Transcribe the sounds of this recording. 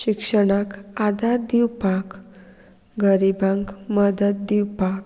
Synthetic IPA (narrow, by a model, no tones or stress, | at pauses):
ɕikʂəɽ̃akad̪aɾd̪iwpak | ɡəɾibãŋkməd̪əd̪̚d̪iwpak̚